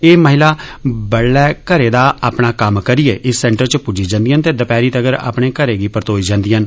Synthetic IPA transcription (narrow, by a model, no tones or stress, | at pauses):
eːməɦɪlaːbəɽːɛːkəɾeːd̪aːaːpɳaːkəmkəɾieːʔɪsːɛ̃ːɳʈəɾt͡ʃəpud͡ʒiːd͡ʒãːnd̪iːɦənt̪eːd̪əpɛːɾiːt̪əɡəɾa̰ːpɳeːkəɾeːɡiːpəɾt̪oːiːd͡ʒãːnd̪iːɦən